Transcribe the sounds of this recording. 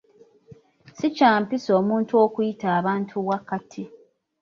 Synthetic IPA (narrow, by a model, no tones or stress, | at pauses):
sicaːmpiso̞ːmuːntuokujitaːβaːntʰuwakatʰi